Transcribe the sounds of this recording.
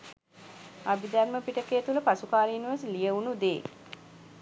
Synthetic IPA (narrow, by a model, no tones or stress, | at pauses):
abid̪ærməpiʈəkeːt̪uləpasukaːɾinuʋəslijəunud̪eː